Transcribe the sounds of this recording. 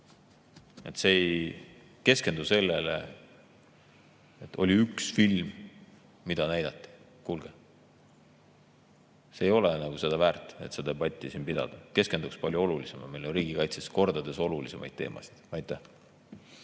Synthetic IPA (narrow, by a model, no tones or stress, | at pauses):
e̞̰t̪se̞j | ke̞ske̞nd̪use̞lːelḛ | et̪ʰːo̞̰lʲiyksfilmː | id̪̥ɑnæjd̪̥ɑt̪ːˑi̥ | kuːlɡ̥e | seːjo̞lenɑɡ̥use̞d̪̥ɑvæːrt̪ːˑe̞̰t̪se̞d̪ɑpɑt̪ʲːˑisinpid̪̥ɑ̰d̪̥ɑke̞ske̞nd̪ukspɑlʲjuo̞lulise̞mɑme̞jlo̞nriːɡ̥ikɑjt̪sesko̞rd̪ɑd̪e̞so̞lulise̞mɑ̰jd̪̚t̪e̞̰ːmʔɑ̰si̥d̪̥ɑjt̪ːˑæh